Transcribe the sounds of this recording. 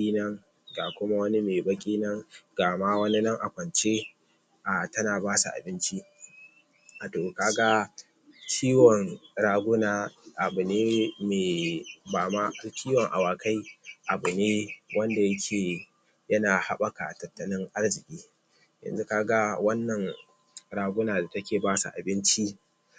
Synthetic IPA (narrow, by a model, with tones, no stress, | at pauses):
i˦nɐ˦ŋ | ɡaː˨kʷʊ˦ma˦wɐ˦ni˦meː˨bɐ˦kʲʼiː˦nɐ˦ŋɡaː˨maː˦wɐ˦ni˦nɐ˦ŋʔa˨kʷɐ˨nt͡ʃe˦ | ʔa˨tɐ˦naː˨baː˦sa̰˨ʔa̰˨bɪ˦nt͡ʃi˦˨ | toː˨kaː˦ɡa˦ | t͡ʃiː˦wɔ˨ŋɽaː˦ɡʷʊ˦naː˨ʔa˨bu˨neː˦meː˨baː˨ma˦ʔa˦lt͡ʃʲʰiː˦wɔ˨ŋʔa̰˨waː˨ka˦jʔa˨bʊ˨neː˦wɐ˦nda˨jɐ˦kʲʰeː˨ | jɐ˦naː˨ha˦ɓɐ˨ka̰˨tɐ˨tːɐ˦nɪ˦ŋʔa˦rzɪ˨kʲʼiː˦ | jɐ̰˨nzu˦kaː˦ɡa˦wɐ˦nːɐ˨ŋ | ɽaː˦ɡʷʊ˦naː˨da˨tɐ˦kʲeː˨baː˦sa̰˨ʔa̰˨bɪ˦nt͡ʃi˦ʔ